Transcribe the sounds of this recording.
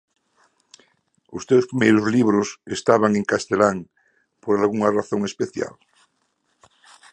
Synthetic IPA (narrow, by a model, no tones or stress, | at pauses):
ost̪ewspɾimejɾozliβɾosest̪aβaŋeŋkast̪elaŋ | poɾalɣuŋaraθoŋespeθja̰l